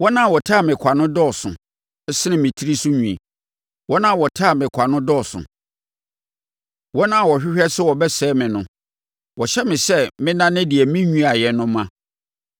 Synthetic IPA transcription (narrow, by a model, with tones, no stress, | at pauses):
wɔ˦nã˦˨wɔ˨tʰa˦˨mɪ̃˨kʷʰa˨nʊ̃˦dɔ˦˨sʊ̰̃˨ | ɛ˦sɪ˦nɪ̃˨mɪ̃˨tʰi˦ɾi˦sʊ˦ɲũ˨ḭ˨ | wɔ˦nã˦˨wɔ˨tʰa˦˨mɪ̃˨kʷʰa˨nʊ̃˦dɔ˦˨sʊ̰̃˨ | wɔ˦nã˦˨wɔ˨ɕᶣɪ˦ɕᶣɛ˦sʊ˦wɔ˨bɛ˦sɛː˦mɪ̃˨nʊ̃˨ | wɔ˨ɕɛ˦mɪ̃˨sɛ˦mɪ̃˦nã˦nɪ̃˦dɪ˨ɛ˨mĩ˦ɲũ˦a˨jɛ˨nʊ̃˦mã˦